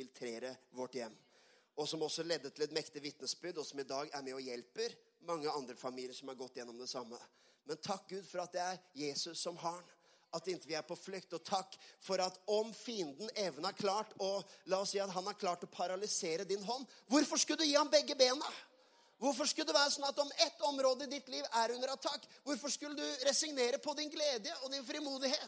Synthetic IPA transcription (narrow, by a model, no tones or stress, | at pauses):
ɪlt̪ʰɾeːɾəʋɔʈːjɛmː | ɔsɔmɔsɔlɛd̪ːəʈʰɪlɛt̪mɛkt̪ɪʋɪt̪nəsbʏd̪ɔsɔmɪd̪ɑːɡæɾmɛɔjɛlpəɾ | mɑŋːəɑnd̪ɾəfɑmiːlɪəɾʂɔmhɑɾɡɔt̪ːjɛnːɔmd̪ɛsɑmːə | mɛnt̪ʰɑk̚ːɡʉːd̪fɔɾɑt̪̚d̪ɛæɾjeːsʉsːɔmɦɑːɳ | ɑt̪ːɪnt̪əʋɪæɾpʰɔflʏkt̪ɔt̪ʰɑkːfɔɾɑt̪ɔmfiːnd̪n̩eːʋənæɾkʰlɑːʈɔlɑːɔssiːɑt̪ɦɑnhæɾkʰlɑːʈɔpʰɑɾɑlɪseːɾəd̪ɪnɦɔnːʋʊɾfɔʂkʉləd̪ʉjiːhɑmbɛɡːəbeːnə | ʋʊɾfɔʂkʉld̪ɛʋæːɾəsɔnɑt̪ɔmɛt̪ːɔmɾoːd̪əɪd̪ɪt̪liːʋæɾʉnːəɾɑt̪ʰːɑkːʋʊɾfɔʂkʉlːəd̪ʉɾɛsɪŋneːɾəpʰɔd̪ɪnɡleːd̪jəɔd̪ɪnfɾɪmuːd̪ɪheːt̪